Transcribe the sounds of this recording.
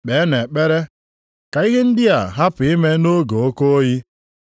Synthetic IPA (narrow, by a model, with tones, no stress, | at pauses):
ɓe˨˦ne˨k͡pe˦ɾe˦ | ka˨i˦ɦɪ˦n̩˦dɪ˦a˨ɦa˦pʊ˨i˦me˦no˦ɡo˨o˦ko˦o˦ji˦